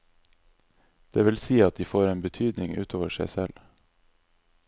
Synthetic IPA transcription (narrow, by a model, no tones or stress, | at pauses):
d̪̥eːʋɪlsiːɑt̪̚d̪iːfoːɾeːnbət̪ʰyːd̪nɪŋʉ̰ːt̪ʰoːʋəʃæɪsɛl